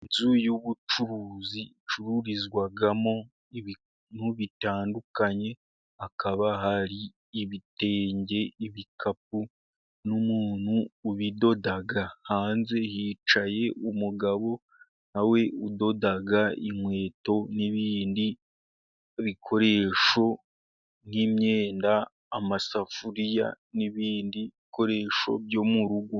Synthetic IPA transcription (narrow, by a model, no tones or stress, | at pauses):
inzujuβut͡ʃuɾuzi | t͡ʃuɾuɾizɡwaɡamo̞ | iβ | nuβitaːndukaɲe̞ | akaβaɦaɾiː | βite̞ːɲɟe̞iβikʰap̚u | numuːn̥huːβido̞daɡahaːnze̞hiːt͡ʃaje̞umuɡaβo̞ | nawe̞udo̞daɡaimwe̞ːto̞niβiːndi | βikʰo̞ɾe̞ːʃo̞ | n̥imɲeːndaː | masafuɾija̰ | niβiːndiβiko̞ɾe̞ːʃo̞̰bjo̞muɾuɡo